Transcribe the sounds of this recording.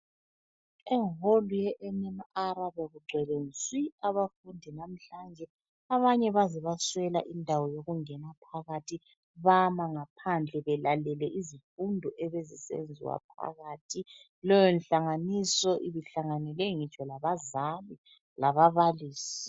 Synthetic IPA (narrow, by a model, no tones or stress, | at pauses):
ɛŋholujɛʔɛnɛmaaɾaβɛɣuɡ͡ǀʱɛlenswiaβafundʱinam̩ɬand͡ʒʱɛ | aβaɲɛβaziβaswɛlaʔindʱawɔjoɣuŋɛnapʰaɣatʰi | βamaŋapʰand͡ɮʱɛβɛlalɛlɛʔizifundʱɔʔɛβezisḛnd͡zʱḭwa̰p̚ʰa̰ɣaːtʰi | lɔjɛnɬaŋanisɔʔiβiɬaŋanɛlɛŋit͡ʃʼɔlaβazali | laβaβaliːsi̥